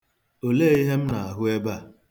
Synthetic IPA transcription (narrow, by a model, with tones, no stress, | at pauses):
o˨leː˦i˦ɦe˦m̩˦na˨a˨ɦʊ˦e˦ba˦˨